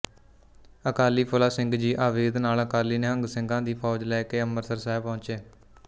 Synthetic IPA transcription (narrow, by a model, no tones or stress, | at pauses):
əkaːliːpʰʊlaːsɪ̃ŋɡd͡ʒiːʔaːʋeːd̪naːləkaːliːneːɦəŋɡsɪ̃ŋɡãːd̪iːpʰɔːd͡ʒlɛːkeːəməɾsəɾsɛːbpɔʊ̃nt͡ʃeː